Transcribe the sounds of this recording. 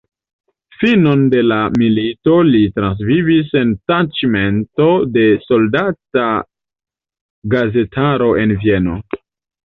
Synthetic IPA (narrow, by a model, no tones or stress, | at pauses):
fino̞nde̞lamilito̞litɾans̬vivis̬e̞ntat͡ʃime̞nto̞de̞so̞ldata | ɡaze̞tʰaɾo̞ʔe̞nvie̞no̞̰